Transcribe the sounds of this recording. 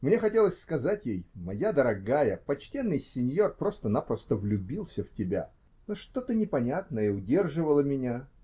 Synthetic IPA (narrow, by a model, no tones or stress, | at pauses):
mnʲexɐtʲe̞lˠəsʲskɐzatʲjejmɐjad̪əɾɐɡajəpɐt͡ɕtʲe̞nːɨjsʲɪnʲjo̞rpɾo̞st̪ənapɾəst̪əvlʲʉbʲilˠsʲəftʲɪbʲa̰ | noʂt̪ot̪ɨnʲɪpɐnʲat̪nəiʊdʲe̞rʐɨvəlˠəmʲɪnʲa